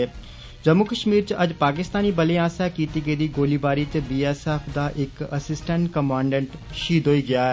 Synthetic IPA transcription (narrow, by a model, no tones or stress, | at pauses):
d͡ʒəmːukəʃmiːɾt͡ʃəd͡ʒpaːkɪst̪aːniːbəlẽːaːsaːkiːt̪iːɡəiːd̪iːɡoːliːbaːɾiːt͡ʃbiːɛːsɛːpʰd̪aːʔɪkəsɪsʈəɳʈkəmãːɳɖə̃ɳʈʃiːd̪oːiːɡɪaːɛː